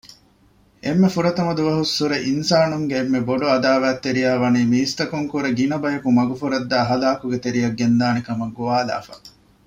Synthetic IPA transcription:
ʔemːefuɾɐt̪ɐmɐd̪uʋɐɦusːuɾeʔinsaːnuŋɡeːmːeboɖuɐd̪aːʋæːt̪ːeɾijæːʋɐniːmiːst̪ɐkuŋkuɾeɡinɐbɐjɐkumɐɡufuɾɐd̪ːaːɦɐlaːkuɡet̪eɾijɐɡːend̪aːnekɐmɐɡːuʋaːla̰ːfɐ̰

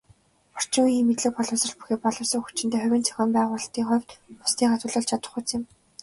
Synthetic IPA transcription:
ɔr̥t͡ɕɪ̆ŋujimet̪ɮɘ̆k̚pɔɮʊ̆ːsɞ̆ɮpu̥xeːpɔɮʊ̆sə̆ŋxu̥t͡ɕɪ̆nt̪eːχʊwʲɘ̆nt͡sʰœ̥xʲɔːmpæːʁʊːɮt̪iːŋχʊwʲt̪pʊ̥st̪ʰiːχat̪ʊ̆ːɮə̆ɮt͡ɕʰat̪ə̆χut͡sɪ̆m

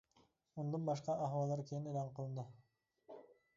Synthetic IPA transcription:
ond̪onbɑʃ̬qɑɑχwɑlˠd̪ɑɾkʲʰejinelɑɴqʰɯlˠɯnd̪ə

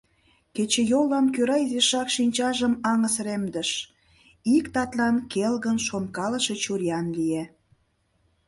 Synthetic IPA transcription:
ket͡ɕejoləmkøɾɑzeʃɑkʃinʲt͡ɕɑʒəmɑŋəsremd̪əʃ | ikt̪ɑt̪lɑnkelɣənʃonkɑləʃet͡ɕurjɑnlie

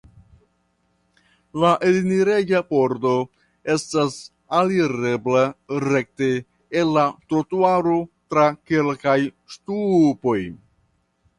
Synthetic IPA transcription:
laʔeliniɾeɟapo̞ɾdo̞ | e̞stas | aliɾe̞blaɾe̞k̚teː | lːatɾotuaɾotɾake̞lkaj | ʃtupo̞j

